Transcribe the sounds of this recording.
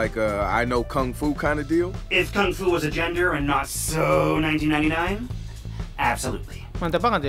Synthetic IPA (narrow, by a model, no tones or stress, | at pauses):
aɪkʌa̰ɪnoʊkʰʌ̃ŋfukʰãɪ̃ndɨdilˠɪfkʰʌ̃ŋfuwʌzɨd͡ʒɛ̃ndə˞ɨ̃nːətsoʊnãɪ̃ntĩnãɪ̃inãɪ̃n | ʔæb̥səlṵtˡlḭmãnt̪ɛbakɑ̃nd̪